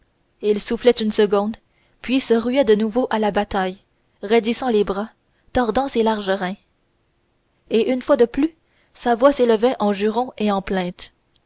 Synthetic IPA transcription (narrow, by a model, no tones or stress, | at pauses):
ilsuflɛt̪ynsəɡɔ̃d̪ | pɥisəʁyɛd̪ənuvoʔalabat̪aj | ʁed̪isɑ̃lebʁa | t̪ɔʁd̪ɑ̃selaʁʒəʁɛ̃ | eʔynfwad̪əply | savwaseləvɛʔɑ̃ʒyʁɔ̃eɑ̃plɛ̃t̪